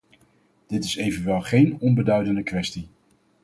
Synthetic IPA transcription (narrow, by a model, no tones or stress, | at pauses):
d̥ɪtɪsejvənʋɛlˠχejnɔnbədœɥdəndəkʋɛsti